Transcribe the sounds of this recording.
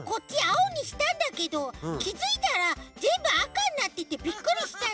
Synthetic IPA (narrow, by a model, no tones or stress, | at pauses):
ko̞tʲt͡ɕːiaoɲ̟iɕi̥t̪ãnd̪ake̞d̪o̞kʲizɨit̪aɾazẽ̞mbɯ̟akãɲʲːat̪ːeit̪ːebʲikːɯ̟ɾʲiɕi̥t̪a